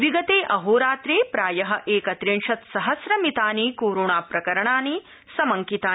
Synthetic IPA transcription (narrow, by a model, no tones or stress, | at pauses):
ʋiɡɐt̪eːʔɐɦoːɾaːt̪ɾeːpɾaːjɐɦɐ̆ʔeːkɐt̪ɾenʃɐt̪sɐɦɐsɾɐmit̪aːniːkoːɾoːɳaːpɾɐkɐɾɐɳaːni | sɐmɐŋkit̪aː